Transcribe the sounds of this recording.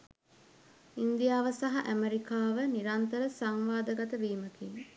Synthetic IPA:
ind̪ijaːʋəsaɦaʔæmeɾikaːʋəniɾant̪əɾəsaŋʋaːd̪əɡat̪əʋiːməkiŋ

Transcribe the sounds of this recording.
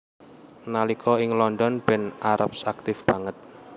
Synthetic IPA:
nalikʰɔɪŋlɔnd̪ɔnb̥ɛ̤naɾapsak̚t̪ɪfb̥a̤ŋət̪̚

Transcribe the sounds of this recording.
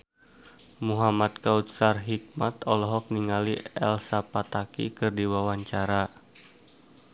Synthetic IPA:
muɦamat̪̚kaut̪sarɦik̚mat̪ɔlɔɦɔk̚niŋaliɛ̰lsapat̪akḭkɨrdiwawaɲt͡ʃaɾa

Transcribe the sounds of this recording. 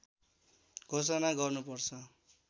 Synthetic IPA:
ɡʱosʌnaɡʌrnupʌrt͡sʰʌ

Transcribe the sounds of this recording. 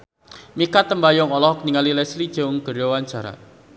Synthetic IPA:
mikat̪əmbajɔŋɔlɔhɔk̚niŋalilɛslid̥ʒ̥ɔ̤ŋɡ̥ə̤ɾjɔwaɲt͡ʃaɾa̰

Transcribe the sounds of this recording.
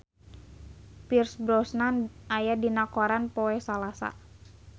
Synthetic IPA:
pirsbɾɔsnanʔajadinakoɾanpɔɛsalasa̰

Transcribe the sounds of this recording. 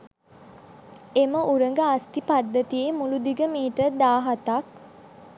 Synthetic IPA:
eməʔuɾəŋɡəast̪ipad̪ːət̪iemulud̪iɡəmiːʈəd̪aːɦat̪ak

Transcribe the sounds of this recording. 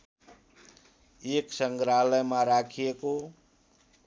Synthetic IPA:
eksʌŋɡɾaləjmaɾakʰijeko

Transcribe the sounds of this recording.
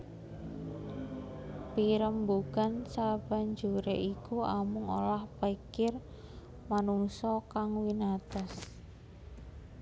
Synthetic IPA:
piɾəmbuɡ̥ansab̥a̤ɲd͡ʒuɾeʔikuamʊŋo̰lahpaikɪr | manuŋsɔkaŋwinat̪ɔs

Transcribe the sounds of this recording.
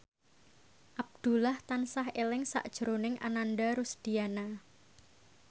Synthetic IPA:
ʔab̚d̪̥ṳlaht̪ansahelɪŋsa̰ʔd̥ʒ̥əɾonɪŋʔa̰nanɖaɾusd̪̥i̤ana

